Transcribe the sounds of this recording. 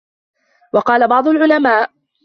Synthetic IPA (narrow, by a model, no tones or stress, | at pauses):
wɑqɑːlabɑʕd̪ˤʊlʕʊlamaːʔ